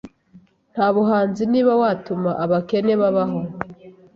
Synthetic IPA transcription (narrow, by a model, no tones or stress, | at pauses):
n̥haːβuɦaːnziniːβawaːtumaʔaβake̞neβaβaɦo